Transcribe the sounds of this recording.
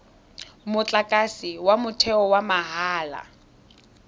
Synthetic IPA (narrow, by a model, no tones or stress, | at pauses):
mʊt͡ɬʼakʼasiwamʊtʰɛɔwamaɦaːla̰